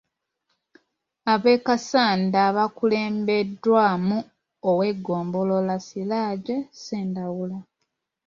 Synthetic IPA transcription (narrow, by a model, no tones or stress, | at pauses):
aβe̞ːkasaːndaβakule̞ːmbe̞dːwaːmu | owe̞ɡo̞ːmbo̞lo̞lasilaːɟeseːndawula